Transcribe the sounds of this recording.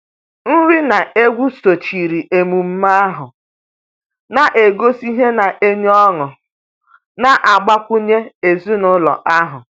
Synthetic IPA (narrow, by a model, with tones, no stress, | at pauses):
n̩˦ɾi˦na˨e˦ɡʷu˦so˨t͡ʃi˨ɾi˨ʔe˨mu˨m̩˦ma˦a˦ɦʊ˨ | na˨ʔe˨ɡo˦si˦ɦe˦na˨ʔe˦ɲ˦ɔ˦ŋʊ˨ | na˨ʔa˨ɡ͡ba˦kʷʊ˦ɲe˦e˨zu˦nʊ˦lɔ̰˨ʔa˦ɦʊ˨